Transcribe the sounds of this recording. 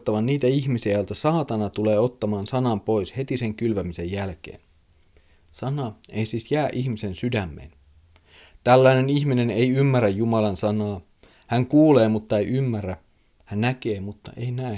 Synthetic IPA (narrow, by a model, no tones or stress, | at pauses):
t̪ːɑʋɑnniːt̪æiçmisiæjolt̪æsɑːt̪ɑnɑt̪ule̞ːo̞t̪ːɑmɑːnsɑnɑmpo̞ishe̞t̪ise̞ŋkylʋæmise̞jjælk̟ḛːn | sɑnɑeisiːsjæːʔiçmise̞nsydæmːḛːn | t̪ælːæine̞niçmine̞nejymːærːæjjumɑlɑnsɑnɑː | hæŋkuːle̞ːmut̪ːɑejʔymːærːæ | hænnæk̟e̞ːmut̪ːɑ̰ʔeinæi